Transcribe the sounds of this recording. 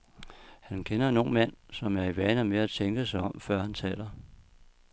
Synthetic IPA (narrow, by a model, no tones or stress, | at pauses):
hænkʰenɐno̝ːnmæn̰sɒ̽mæɐiʋæːnɐmeæt͡sʰeŋɡ̥əsɑ̈ɪɒ̽mfɶɐ̰hænt͡sʰɛ̰ːlɐ